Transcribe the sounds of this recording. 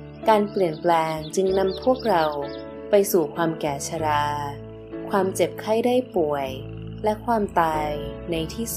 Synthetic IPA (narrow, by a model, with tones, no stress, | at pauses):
kaː˧npli˨˩ənplɛː˧ŋt͡ɕɯ˧ŋna˧mpʰu˥˩ək̚ɾa˧w | pa˧jsuː˨˩kʰwaː˧mkɛː˨˩t͡ɕʰa˧ɾaː˧ | kʰwaː˧mt͡ɕe˨˩p̚kʰa˥˩jdaː˥˩jpu˨˩əj | lɛ˦˥kʰwaː˧mt̪aː˧jna˧jt̪ʰiː˥˩s